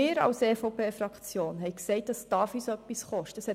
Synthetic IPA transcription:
ɪːɾɑ̰wseːfɔʊpʰeːfɾɑkt͡sjoːnɦɛɪksɛɪt̚d̥ɑsd̥ɑːfyːsœpːisχɔʃtəshɛ

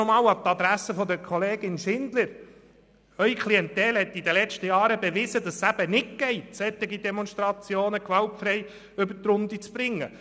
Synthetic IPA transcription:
ɔmɑːwɑt̪ːɑd̪ɾæsəfɔd̪əɾkʰɔleːɡɪnʃɪnd̥̪ləɾ | œʏikʰliɛnt̪ɛlhɛt̪ːid̪əlɛt͡ʃtəjɑːɾəbeʋɪzəd̥̪ɑsːæb̥ənɪt̚kɛɪsɛt̪ːɪɡid̪ɛmɔnʃt̪ɾɑt͡sjoːnəkʋɑltfɾɛɪ | ʏbətɾʊnd̪it͡spbɾɪŋːə

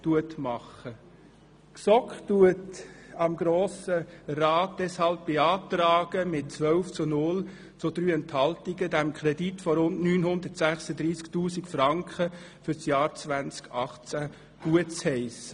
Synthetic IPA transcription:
tuətmɑχə | ksɔkχtuətɑmɡɾoːsəraːt̚d̥ɛshɑlp̚b̥eɑːtrɑːɡ̥əmɪt̚t͡sʋœlft͡sunʊl | t͡sʊd̥ɾyːɛnthɑltiɡədɛmkʰχɾɛditfɔɾʊndnyːnɦʊnd̪əɾtsæχsədɾiːsktuːsikfrɑŋkχə | fʏɾsjɑːɾt͡svænt͡skɑχt͡sæ | ɡ̥uətt͡shɛɪsə

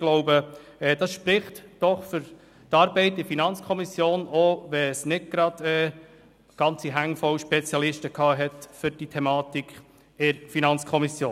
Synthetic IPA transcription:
ɡ̥lɔʊbəɛːd̥ɑsʃpɾɪχtd̥ɔχfʏɾ | tɑːɾbɛɪt̚dɪfinɑnt͡skʰɔmisjoːnoʋɛsnɪd̚ɡ̥ɾɑd̥ɛː | ɡ̥ɑnt͡siɦæŋfɔwʃpɛt͡sjɑlɪʃtəkʰɑːɦɛtfʏɾd̥itʰɛmɑːt̪ikʰ | ɪɾfinɑnt͡skʰɔmisjoːn

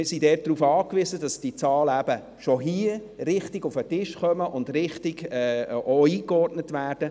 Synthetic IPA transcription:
ɪsidɛːt̚d̥ɾuːfɑːkʋizədɑsd̥it͡sɑːləæb̥ə | ʃoɦiərɪχtɪɡʊfətɪʃχœməʔʊndɾɪχtɪɡɛːoiːkɔrdnətʋæːɾd̥ə

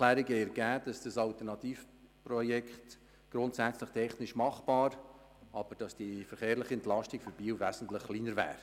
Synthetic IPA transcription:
læːɾɪɡɛəɾɡæːd̥ɑsd̥ɑsɑltəɾnɑtiːf | pɾɔjɛkχt | ɡ̥ɾʊntsæt͡slɪχtʰɛχnɪʃmɑχb̥ɑːɾ | ʔɑb̥əɾd̥ɑsd̥ifəɾχeːɾlɪχəɛntlɑʃtɪkfyɾb̥iːwvæːsn̩tləχliːnəɾvæ̰ːɾ

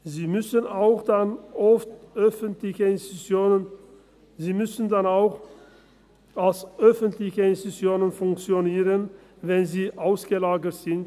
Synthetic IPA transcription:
ziːmʏsənaʊxd̥anʔɔftʔœfəntlɪçəɪnsoə | ziːmʏsn̩danaʊx | alsʔœfəntlɪçəɪnstut͡sjoːnənfʊŋkt͡sjoniːʁən | vɛnziːʔaʊsɡ̥əlaːɡətz̥ɪnt

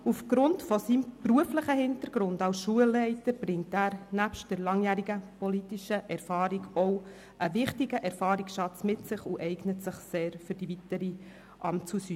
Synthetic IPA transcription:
ufɡ̥ɾʊntfɔsimpruəfləχəhɪntəɾɡ̥ɾʊndɑwsʃuəlːɛɪtəɾb̥ɾɪŋtæːɾnæpʃtd̥əɾlɑŋjæːɾiɡəpɔlitiʃəʔɛɾfɑːɾiɡɔw | ʔəʋɪχtiɡəʔɛɾfɑːɾiksʃɑt͡smɪtsɪχuʔɛɪɡnətsɪχseːɾfɵɾd̥ivitəɾi | ʔɑ̰mt͡susy

